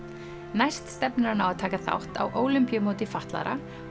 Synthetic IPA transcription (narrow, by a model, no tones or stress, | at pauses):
najst̪st̪ɛpnaɾanawaðt̪ʰaːkaθa̰wht̪a̰wʔoːwlʏmpjʏmoːwt̪ɪfaht̪la̰ɾʔa̰